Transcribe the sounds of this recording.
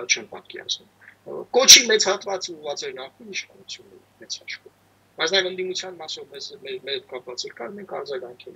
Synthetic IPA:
t͡ʃʰɛmpɑ̰t̪̚kɛ̰ɑ̰snumkɔt͡ʃʰimɛt͡sʰhɑt̪vɑt͡suvɑt͡sɛɾnɑχkʰiniʃχɑnut͡sʰjunːɛ̰ɾimɛt͡sʰhɑʃkɔm | bɑjt͡sʰnɑjɛvənd̪imut͡sʰjɑnmɑsɔvmɛzmɛɾmɛɾɛt̪kɑpvɑt͡sɛɾkɑɾmɛŋkʰɑ̰ɾd͡zɑɡɑŋkʰɛl

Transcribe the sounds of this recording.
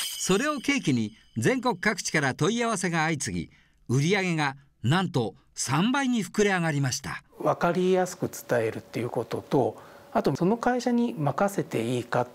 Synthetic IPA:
so̞ɾe̞o̞ke̞ːkʲiɲ̟i | d͡zẽ̞ŋko̞kɯ̟̥kːakɯ̥t͡ɕi̥kaɾat̪o̞iaβase̞ɡaːit͡sɨɡʲḭ | ɯ̟ɾʲiaɡe̞ŋa | nãnt̪o̞ | sãmbaiɲ̟iɸɯ̥kɯ̟ɾe̞aɡaɾʲimaɕi̥t̪a̰βakaɾʲijasɨ̥kɯ̟t͡sɨ̥t̪ae̞ɾɯ̟t̪ːejɯ̟ko̞t̪o̞t̪o̞at̪o̞so̞no̞kaiɕaɲ̟imakase̞t̪e̞iːka

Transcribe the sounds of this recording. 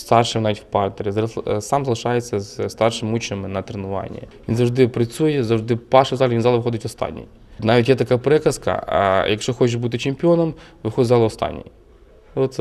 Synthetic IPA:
st̪ɑrʃɪnɑʋʲitʲwpɑrt̪eɾʲizɾsɑmzɐlˠɪʃɑjet͡sʲːɐzst̪ɑrʃɪmut͡ʃnɪmɪnɐt̪ɾenʊʋɑ̰nʲːḭʋʲinzɐwʐd̪ɪpɾɐt͡sʲujɛzɐwʐd̪ɪpɑʃɪzɑlʲˠɐʋʲinzɑlˠʋɪxɔd̪ɪtʲɔst̪ɑ̰nʲːḭj | nɑʋʲitʲjɛt̪ɐkapɾɛkɐskɐ̰jɐkʃt͡ʃɔxɔt͡ʃɪʃbut̪ɪt͡ʃɪmʲpʲiɔnɐmʋɪxɔd̪ʲzɑlˠɐɔst̪ɑ̰nʲːḭj | ɔt̪s

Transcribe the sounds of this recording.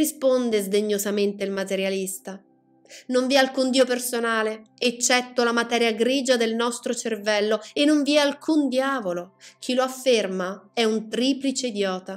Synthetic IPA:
rispond̪ezd̪eɲːozament̪eilmat̪eɾjalist̪a | noɱviɛalkund̪iopersonaːleet͡ʃːɛt̪ːolamat̪ɛːɾjaɡɾiːd͡ʒad̪elnɔst̪ɾot͡ʃervɛlːoenːoɱviɛalkʰund̪jaːvolok̟ʰiloafːermaɛunt̪ɾiːplit͡ʃeid̪jɔːt̪a

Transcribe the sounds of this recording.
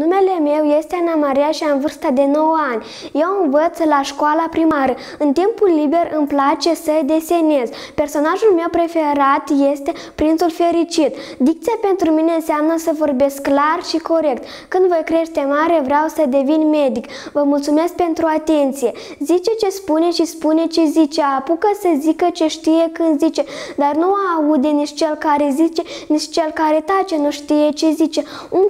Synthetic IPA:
nume̞le̞me̞wje̞st̪eanamaɾiaʃiaɨnvɨrst̪ad̪e̞no̞wəanʲ | je̞wɨnvət̪slaʃkoalapɾimaɾə | ɨnt̪impulːibe̞rɨmplat͡ʃe̞səd̪e̞se̞ne̞z | pe̞rso̞naʒulme̞wpɾe̞fe̞ɾat̪je̞st̪e̞ | pɾint̪sulfe̞ɾit͡ʃit̪d̪ik̚t̪sijape̞nt̪ɾumine̞ɨnseamnəsəvo̞rbe̞skːlarʃiko̞ɾe̞kt̪ | kɨnd̪vojkɾe̞ʃt̪e̞maɾevɾʲeawsəd̪e̞vinme̞d̪ik | vəmult̪sume̞sk̚pe̞nt̪ɾuat̪e̞nt̪sije̞ | zit͡ʃe̞t͡ʃe̞spune̞ʃispune̞t͡ʃezit͡ʃe̞apukəsəzikət͡ʃe̞ʃt̪ije̞kɨnd̪zit͡ʃe̞d̪arnuaːud̪e̞niʃt͡ʃe̞lkaɾe̞zit͡ʃeniʃt͡ʃt͡ʃe̞lkaɾe̞t̪at͡ʃe̞nuʃt̪ije̞t͡ʃe̞zit͡ʃe̞ | un

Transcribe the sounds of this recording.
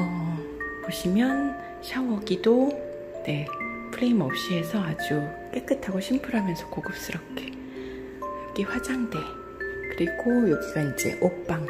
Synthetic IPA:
ʌ | boɕʰimjʌn | ɕʰawʌɡido | ne̞pʰɯɾeimʌp̚ɕ͈ie̞sʰʌad͡ʑu | k͈e̞k͈ɯtʰaɡoɕʰimpʰɯɾɦamjʌnsʰʌkoɡɯp̚s͈ɯɾʌp̚k͈ʰe̞ | ak͈iɸwad͡ʑaŋde̞ | kɯɾiɡojok̚s͈ʌid͡ʑe̞̰ʔok̚p͈aŋ

